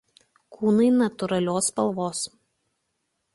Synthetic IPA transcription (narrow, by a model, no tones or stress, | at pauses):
kʰuːnɐɪnɐt̪ʊɾɐlʲoːspɐlˠʋoːs